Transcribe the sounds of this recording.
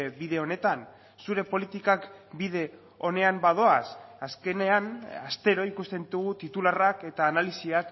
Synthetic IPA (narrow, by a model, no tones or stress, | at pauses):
biðe̞o̞ne̞t̪an | suɾe̞po̞lit̪ikakbiðe̞ | o̞ne̞ambaðo̞asaske̞ne̞ana̰st̪e̞ɾo̞ikust̪e̞nd̪uɣut̪it̪ularake̞t̪aːnalisiak